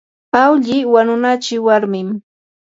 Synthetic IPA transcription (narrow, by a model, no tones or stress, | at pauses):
pawʎɪwanʊnat͡ʃɪwaɾmɪm